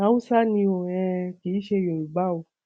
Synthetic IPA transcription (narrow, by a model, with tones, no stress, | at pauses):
ã˨˦ũ˦sa˦nĩ˧o˨ɛ̃˧ki˨˦ʃe˧˨jo˨i˨ɡ͡ba˦o˨˧˦